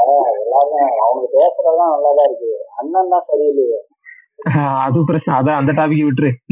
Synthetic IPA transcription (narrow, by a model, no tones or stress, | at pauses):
eːɐðɛlːaːmẽɐʋɐŋɡɐpeːsɐɾɐlãːnɐlːaːðaːɪɾɯkːɯɐnːɐnd̪ãːsɐɾiɐlːɪjɐ | aɐðɯkːpɪɾɐt͡ɕːɐnɐːðɐɐnd̪ɐʈaːʋɪkːɯʋɪʈːɾɯ